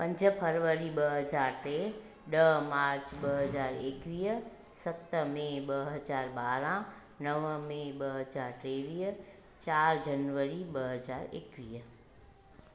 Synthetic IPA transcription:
pɐ̃ɲd͡ʒəpʰəɾʋəɾiɓəɦəzaːɾʈeː | ɗəmaːɾt͡ʃɓəɦɐzaːɾeːkʋiːɦ | sɐt̪mẽɓəɦɐzaːɾɓaːɾã | nəʋmẽɓəɦɐzaːɾʈeːʋiːɦ | t͡ʃaːɾd͡ʒɐnʋəɾiɓəɦəzaːɾḛːkʋiːɦ

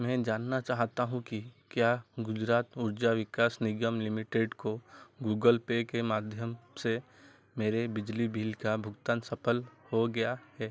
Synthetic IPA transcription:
mɛ̃ːd͡ʒaːnːat͡ʃaːɦt̪aɦũkikjaːɡʊd͡ʒɾaːt̪ʊɾd͡ʒaʋɪkaːsnɪɡəmlɪmɪʈeːɖkoɡuːɡəlpekemaːd̪ʱjəmse | meːɾebɪd͡ʒlibʱɪlkabʱʊɡt̪aːnsɐpʰəlhoɡɐjahɛː

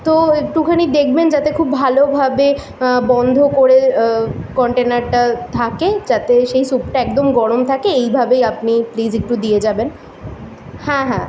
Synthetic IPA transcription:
t̪oek̚ʈukʰanid̪ekʰbend͡ʑat̪ekʰubbʱalobʱabe | bɔnd̪ʱokoɾe | kɔɳʈenaɾʈat̪ʰaked͡ʑat̪eʃejsupʈaɛk̚d̪omɡɔɽomt̪ʰakeejbʱabejapniplid͡ʑek̚ʈud̪ied͡ʑaben | hɛ̃ɦɛ̰̃

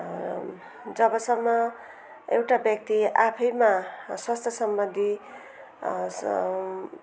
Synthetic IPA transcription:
d͡zʌbʌsʌmːʌ | ewʈabjʌk̚t̪iapʰʌjmaswast̪ʰjʌsʌmbʌnd̪ʱi

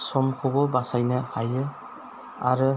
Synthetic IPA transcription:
sɔmkʰɔbɔbasajnɯhajɯ | aɾɯ

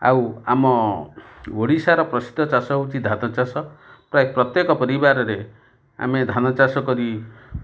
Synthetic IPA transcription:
a̰wamɔ | woɽisaɾɔpɾɔsi̥d̪ʱɔt͡ʃasɔɦowt͡ʃʰid̪ʱanɔt͡ʃasɔpɾaepɾɔt̪jekɔpɔɾibaɾɔɾe | a̰med̪ʱanɔt͡ʃasɔkɔɾi

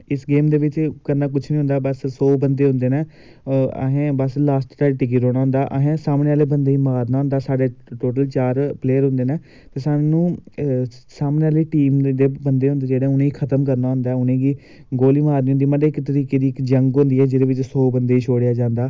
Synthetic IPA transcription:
ɪsɡeːmd̪eːʋɪt͡ʃkəɾnaːk̬ʊt͡ʃʰnĩɦʊ̃nd̪aːbəssoːbənd̪eːɦʊ̃nd̪eːneː | ə̰ɦẽːbəslaːsʈʈaːʈɪk̬ɪɾoːɽ̃aːɦʊ̃nd̪aːʔə̰ɦẽːsaːmneːaːleːbənd̪eːiːmaːɾnaːʊ̃nd̪aːsaːɖeːʈoːʈəlt͡ʃaːɾpleːəɾɦʊ̃nd̪eːnẽː | t̪eːsaːɽenũː | saːmneːaːleːʈiːmd̪eːbənd̪eːʊ̃nd̪eːd͡ʒeːɽeʊnẽːiːkʰət̪əmkəɾnaːɦʊ̃nd̪aːʊnẽːɡiː | ɡoːliːmaːɾniːʊnd̪iːməɖeːɪkt̪əɾiːkeːd̪iːɪkd͡ʒəŋɡɦʊ̃nd̪iːɛːd͡ʒɪd̪eːʋɪt͡ʃsoːbənd̪eːiːʃʰoːɽejaːd͡ʒãːnd̪aː

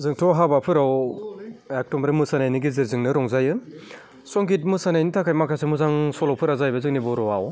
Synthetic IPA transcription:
zɯŋtʰɔɦabapʰɯɾaw | ak̚tɔmɾɯmɯsanajniɡiziɾzɯŋnɯɾɔŋzajɯ | sɔŋɡit̚musanajnitʰakʰajmakʰasemuzaŋsɔlɔwpʰɯɾazajbɐzɯŋnibɔɾɔwaw

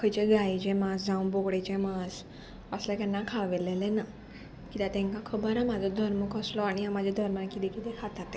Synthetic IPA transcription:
kʰəjt͡ɕeɡajt͡ɕemasd͡zaũbokɽet͡ɕemas | əslɛkɛnːakʰaʋelelena | kit̪at̪ɛ̃ŋkãkʰəbəɾãmad͡zʱɔd̪ʱəɾməkəslɔaɽ̃iɦãmad͡ʑʱed̪ʱəɾmənakit̪ekit̪ɛkʰat̪at̪e

